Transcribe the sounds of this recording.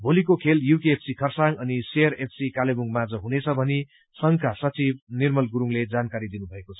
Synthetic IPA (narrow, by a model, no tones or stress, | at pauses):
bʱolikokʰeljukeːpʰsikʰʌrsaŋʌniseʌrepʰsikalemuŋmad͡zʌɦunet͡sʰʌbʱʌni | sʌŋkʰasʌt͡sib̚nirmʌlɡuɾuŋled͡zankaɾid̪inubʱʌekot͡sʰʌ̥